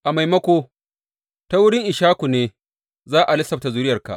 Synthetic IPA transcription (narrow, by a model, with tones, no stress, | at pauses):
ʔa˨ma˨jmɐ˦kʷoː˦ | ta˦wʊ˦ɽɪ˦ŋʔɪ˨ʃaː˦kʷu˨neː˦ | zaː˦ʔa˨lɪ˦sɐ˨p̚ta˨zʊ˦ɾɪ˦jɐ˨rka̰˨ʔ